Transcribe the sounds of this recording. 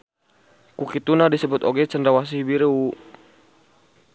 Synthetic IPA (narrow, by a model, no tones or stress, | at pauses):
kukit̪unadisəbut̪oɡɛt͡ʃəndɾawas̬ibiɾəu